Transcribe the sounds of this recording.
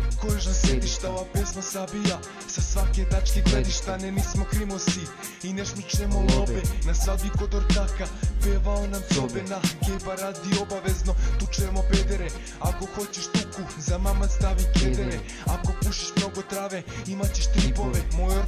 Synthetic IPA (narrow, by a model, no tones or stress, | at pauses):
kojeʃnased̪iʃt̪aʋabesmasabija | sasʋaket̪at͡ʃkeɡled̪iʃt̪anenismo̞kɾimosi | ineʃmit͡ʃnemolˠobenasʋabikod̪oɾt̪akapeʋaonamt̪o̞benaɡepaɾad̪iobaʋezno̞t̪ut͡ʃemobed̪eɾe | ako̞xo̞t͡ɕeʃt̪uku | zamamast̪aʋiked̪eɾe | ako̞puʃi̥ʃmno̞ɡo̞t̪ɾaʋe̞imat͡ɕeʃt̪ɾipovemoo